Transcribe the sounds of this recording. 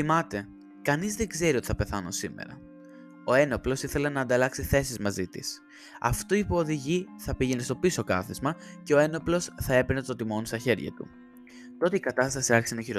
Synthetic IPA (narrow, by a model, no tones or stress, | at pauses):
θimɐt̪e̞ | kɐnizðe̞ɡze̞ɾio̞t̪iθɐpe̞θɐno̰sime̞̰ɾɐ̰ | o̞e̞noplo̞siθe̞le̞nɐːnd̪ɐlɐksiθe̞sizmɐzit̪ḭs | ɐ̰ft̪oipoːðiʝiθɐpiʝenest̪o̞piso̞kɐθizmɐce̞o̞e̞no̞plo̞sθɐe̞penet̪o̞t̪imo̞nst̪ɐçe̞ɾʝɐ̰t̪ṵ | t̪o̞t̪eikɐt̪ɐst̪ɐsiɐɾçi̥senoçiɾo